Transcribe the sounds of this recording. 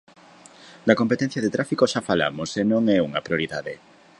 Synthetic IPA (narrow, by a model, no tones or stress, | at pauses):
d̪ɐkompet̪ɛn̟θjɐðet̪ɾafikoʃafala̰mʊsenõŋɛuŋɐpɾioɾiðaðe